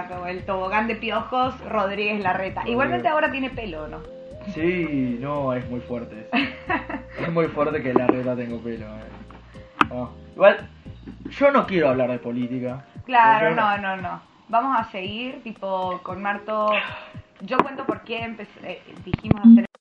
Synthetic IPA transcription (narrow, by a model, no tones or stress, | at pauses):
t̪oelt̪oβoɣand̪e̞pjoxosroð̞ɾiɣezlaret̪aʔiɣwalment̪eaoɾat̪jenepe̞lono | sinoesmujfweɾt̪e | esmujfweɾt̪ekelarʔet̪at̪e̞ŋɡopeloe | oiɣwal | ʒ̥o̞no̞kjeɾoaβlaɾðepo̞lit̪ikaklaɾonõnono | bamosase̞ɣiɾt̪ipokonmaɾt̪o | ʒo̞kwe̞nt̪opo̞ɾkeːmpesed̪iximosaseɾ